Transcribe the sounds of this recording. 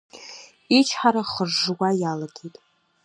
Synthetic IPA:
it͡ʃʰħaɾaχərʐwajalaɡʲejtʼ

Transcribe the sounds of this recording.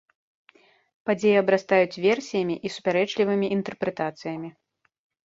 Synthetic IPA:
pad͡zʲejɛɐbɾast̪ajut͡sʲvʲɛrsʲijɐmʲiʔisu̥pʲaɾɛt͡ʂlʲivɨmʲiʔint̪ɛrpɾɛt̪at̪sɨjɐmʲi

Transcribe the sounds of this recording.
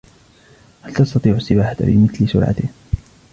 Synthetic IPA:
halt̪ɑst̪ɑt̪ˤiːʕʊsːɪbaːħaka̰bɪ̰mɪθlɪsʊ̰ɾʕa̰t̪ɪh

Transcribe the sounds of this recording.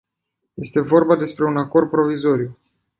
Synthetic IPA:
je̞st̪e̞vo̞rbad̪e̞spɾe̞unako̞rd̪̚pɾo̞vizo̞ɾiu

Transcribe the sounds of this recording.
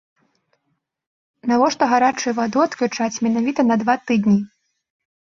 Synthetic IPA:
navɔʂt̪ɔɣaɾat͡ʂujuvad̪ɨɐt̪klʲut͡ʂat͡sʲmʲɛnavʲit̪ɐnɐd̪vat̪ɨd̪nʲi

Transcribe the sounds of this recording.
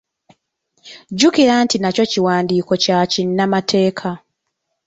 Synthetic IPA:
ɟukiɾaːntinaco̞ciwaːndiːko̞cacinːamatʰe̞ːkʰa

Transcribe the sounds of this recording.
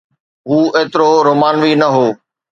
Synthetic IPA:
ɦuːeːt̪ɪɾoɾoːmaːnʋiːnɐɦoː

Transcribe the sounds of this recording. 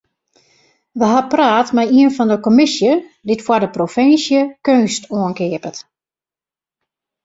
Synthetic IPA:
ʋəɦapraːtmɛjiənfɔndəkomɪsjədɪtfwadəprofɪnsjəkøːstuənkɪəpət

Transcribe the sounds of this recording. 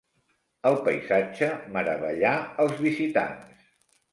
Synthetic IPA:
əlˠpəjzad͡ʒəməɾəβəʎaəlˠzβizit̪a̰ns

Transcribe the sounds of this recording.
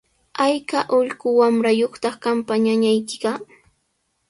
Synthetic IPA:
ajkaʔʊʎɢʊwamɾajoχt̪ɑχkampaɲaɲajkɪ̥ɢɑ

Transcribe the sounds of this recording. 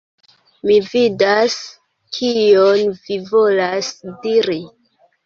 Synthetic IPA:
mividas | kʰijonvivo̞lasdiɾi

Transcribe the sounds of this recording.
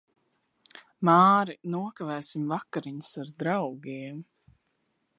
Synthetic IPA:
maːɾinuɔkavɛːsimvakaɾiɲusaɾd̪ɾawɡiɛm

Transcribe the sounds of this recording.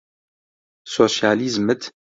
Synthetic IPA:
soːʃjaːlizmɨt̪

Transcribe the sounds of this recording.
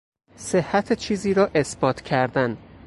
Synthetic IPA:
sehːæt̪ʰet͡ʃʰiːziːɾɒːʔe̞sbɒːt̪ʰcʰæɾd̪æn

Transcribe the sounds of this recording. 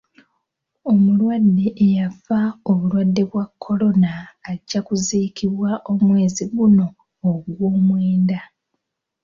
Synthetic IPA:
o̞mulwadːe̞ʔejafao̞βulwadːe̞βwakʰːo̞lo̞naːɟːakuziːkʰiβwaʔo̞mwe̞ːziβuno̞ː | ɡwoːmwe̞ːnda

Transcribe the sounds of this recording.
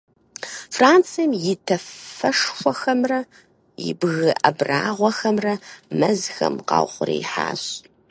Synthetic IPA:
fraːnt͡sʰijɐmjɪtʰɐfɐʂxʷɔxɐmrɐ | jɪ̰bɣɨʔɐbraːʁʷɔxɐmrɐmɐzxɐ̰mqɑ̰ːwχʷʊɾḭjħa̰ːɕʼ

